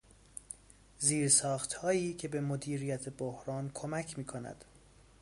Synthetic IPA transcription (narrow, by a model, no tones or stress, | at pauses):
ziːɾsɒːxt̪hɒːiːcʰe̞bemod̪iːɾijæt̪ʰebohɾɒːnkʰomæcʰmiːkʰo̞næ̰d̪̥